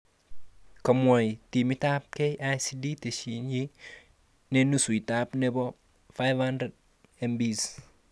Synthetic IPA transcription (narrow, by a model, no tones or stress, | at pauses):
kɐmwɔjtimitap̚kejʔajsiditesiɲi | nenusuitapnɛbɔ | fajvhandɾed̚ | ɛmbis